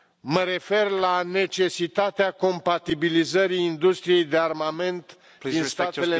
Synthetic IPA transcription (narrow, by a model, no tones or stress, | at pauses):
məɾe̞fe̞rlane̞t͡ʃe̞sit̪at̪eako̞mpat̪ibilizəɾiːnd̪ust̪ɾije̞jd̪earmame̞nt̪ | inst̪atele